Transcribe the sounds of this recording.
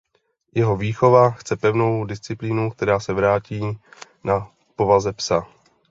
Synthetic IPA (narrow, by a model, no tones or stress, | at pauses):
jɛɦo̞viːxo̞vaxt͡sɛpɛvno̞wdɪst͡sɪpliːnuk̚t̪ɛɾaːsɛvɾaːciː | na | po̞vazɛpsa